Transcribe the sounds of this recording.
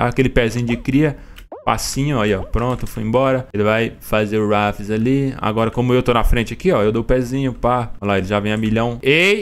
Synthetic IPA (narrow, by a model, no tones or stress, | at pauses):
akelɪpɛzĩɲʊd͡ʒɪkɾiɐ | pa̰sĩɲʊɔiɔpɾõt̪ʊfujĩbɔɾɐelɪvajfazeɾɾafɪzalia̰ɡɔɾɐkõmʊewt̪onɐfɾẽnt͡ʃɪakiɔewd̪oʊpɛzĩɲʊpaolaelɪʒavẽj̃ɐmiʎɐ̃w̃e